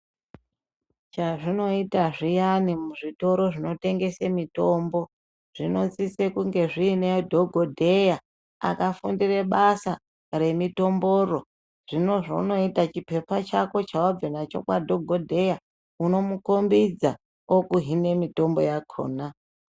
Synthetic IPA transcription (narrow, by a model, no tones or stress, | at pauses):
t͡ʃaʐino̞itaʐijanimuʐito̞ɾo̞ʐino̞te̞ŋɡe̞semito̞mbo̞ | ʐ̥ino̞t͡sit͡sekuŋɡe̞ʐiːneodʱoɡʱodʱe̞ja | a̰kafundire̞ɓasa | re̞mito̞mbo̞ro̞ | ʐ̥ino̞ʐo̰uno̞itat͡ʃipe̞pat͡ʃako̞t͡ʃawob͡vinat͡ʃo̞̰kwa̰dʱoɡʱodʱe̞ja | uno̞mukombid͡za | okuɦine̞mito̞mbojakʰo̰ːna